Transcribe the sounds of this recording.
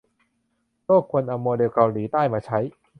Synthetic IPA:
loː˥˩kʰːu˧ənʔa˧moː˧deː˧wka˧wliː˩˦t̪aː˥˩jmaː˧t͡ɕʰa˦˥j

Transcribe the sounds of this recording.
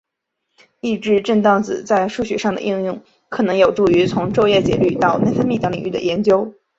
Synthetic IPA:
i˥˧ʈ͡ʂɻ̩˥˧ʈ͡ʂə˥˧nt̪ɑ˥˩ŋt͡sɹ̩˨˩t͡sa˥˧ɪʂu˥˩ɕɥɛ˨˩ʂɑ˥˩ŋd̪ə̰˩ʔi˥˧ŋjʊ˥˩ŋ | kʰɤ˨˩nɤ˧˥ŋjo˨˩ʊʈ͡ʂu˥˩y˧˥t͡sʰʊ˧˥ŋʈ͡ʂo˥˧ʊjɛ˥˩t͡ɕjɛ̰˨˩ly˥˧t̪ɑ˥˧ʊna˥˩ɪfə˥nmi˥˩t̪ɑ˥ŋli˨˩ŋʔy˥˩d̪ə̰˩jɛ˧˥nt͡ɕjo˥ʊ

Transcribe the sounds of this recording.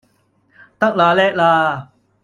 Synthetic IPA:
t̪a˦˥k̚laː˨lɛː˦˨ʔ̚laː˧˩

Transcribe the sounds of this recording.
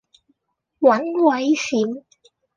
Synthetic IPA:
wɐ˨˥nwɐ˨˥jsi˨˥m

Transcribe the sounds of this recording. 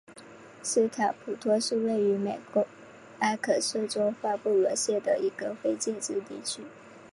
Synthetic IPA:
s̩˥t̪ʰa˨˩˥pʰu˨˩t̪ʰwɔ˥ʂ̩˥˧we˥˩ɪy˧˥me˨˩ɪkwɔ˧˥ | a˥ɪkʰɤ˨˩ʂɤ˥˩ʈ͡ʂo˥ʊfa˥˧pu˥˩lɤ˧˥ɕjɛ˥˩d̪ə˩i˧˥ɡ̥ə˧fe˥ɪt͡ɕjɛ˥˧ʈ͡ʂɻ̩˥˧t̪ḭ˥˩t͡ɕʰy˥

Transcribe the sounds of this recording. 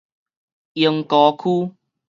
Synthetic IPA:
jə˧ŋkɔː˨˦kʰuː˦˥

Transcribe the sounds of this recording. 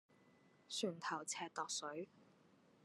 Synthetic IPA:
sʰyː˨˩nt̪ʰɐ˨˩wt͡sʰɛː˧t̪ɔː˨˧k̚sɵ˨˥ɥ

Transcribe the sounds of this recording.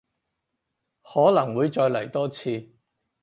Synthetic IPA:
hɔː˨˥lɐ˨˩ŋwuː˨˧jt͡ʃɔː˧jlɐ˨˩jt̪ɔː˥t͡sʰiː˧

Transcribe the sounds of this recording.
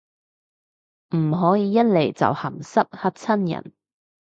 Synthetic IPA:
m̩˨˩ɦɔː˨˥jiː˨˧jɐ˥t̚le˨˩jt͡sɐ̰˨whɐ˨˩msɐ˥p̚hɐ˥t̚t͡sʰɐ˥njɐ̰˨˩n

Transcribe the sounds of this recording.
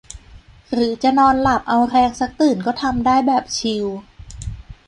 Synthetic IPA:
ɾɯː˩˦t͡ɕa˨˩nɔː˧nla˨˩p̚ʔa˧wɾɛː˧ŋsa˨˦˥k̚t̪ɯː˨˩nkɔː˥˩t̪ʰa˧mdaː˥˩jbɛː˨˩p̚t͡ɕʰi˧w

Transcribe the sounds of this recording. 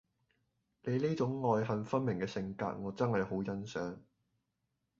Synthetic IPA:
le˨˧jliː˥t͡sʊ˨˥ŋːɔː˧jɦɐ˨nfɐ˥nmɪ˨˩ŋkɛː˧sɪ˧ŋka̰ː˧t̚ŋɔː˨˧t͡sɐ˥nhɐ˨jho˨˥wjɐ˥nsœː˨˥ŋ

